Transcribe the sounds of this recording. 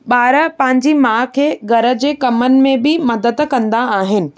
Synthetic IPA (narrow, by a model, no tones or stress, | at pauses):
ɓaːɾə̆pɐ̃ɦɪ̃ɲd͡ʑimãːkʰeːɡʱɐɾə̆d͡ʑeːkɐmənɪ̆mẽbɪmɐd̪əd̪kɐ̃nd̪aaːɦɪnɪ̆